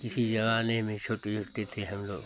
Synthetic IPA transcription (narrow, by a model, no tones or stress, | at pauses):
kɪsid͡ʒɐʋaːnemẽt͡ʃʰoːʈed͡ʒoʈet̪ʰeɦɐmlo̰ːɡ